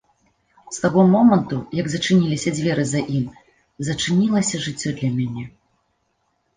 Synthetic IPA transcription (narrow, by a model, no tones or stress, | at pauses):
st̪aɣɔmɔmɐnt̪ujɐɡzɐt͡ʂɨnʲilʲisʲɐd͡zʲvʲɛɾɨzaʔim | zɐt͡ʂɨnʲilˠɐsʲɐʐɨt͡sʲːɔd̪lʲɐmʲanʲɛ